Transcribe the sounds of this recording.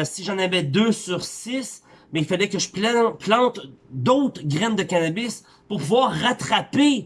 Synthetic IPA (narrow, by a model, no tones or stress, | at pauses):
siʒɑ̃navɛd̪øsyʁsɪs | bɛ̃ilfalɛkəʒəpplɑ̃t̪d̪ɔwt̪χɡʲʁɛnd̪əkʲanabɪs | puʁpuvwaːʁːat̪χape